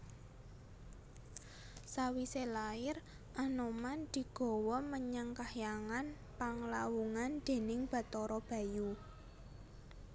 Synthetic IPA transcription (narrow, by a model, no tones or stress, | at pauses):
sawiselaɪr | ʔanomand̪̥i̤ɡ̥ɔ̤wɔməɲəŋkahjaŋan | paŋlawuŋand̪̥e̤nɪŋb̥a̤t̪ɔɾɔb̥ä̤ju